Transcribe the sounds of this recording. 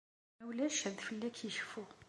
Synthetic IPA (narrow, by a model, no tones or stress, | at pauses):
æwlæʃhəðfəlːækʰjəʃfu